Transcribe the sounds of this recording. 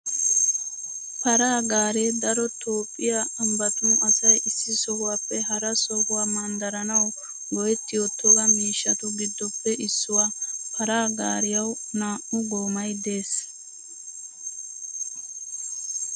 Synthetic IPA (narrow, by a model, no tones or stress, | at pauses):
pɐɾaːɡaːɾeːd̪ɐɾɔt̪o̞ːpʼːɪjaɐmbɐt̪ʊɐsɐjɪsːɪsɔɡʊwaːpːɛɦɐɾɐsɔɡʊwaːmɐnd̪ɐɾɐnɐw | ɡɔjɛt̪ːɪjɔt̪ʰːɔɡɐmiːʃːɐt̪ʊɡɪd̪ːɔpːɛʔɪsːʊwaːpɐɾaːɡaːɾɪjɐwnaːʔʊɡoːmɐjd̪e̞ːs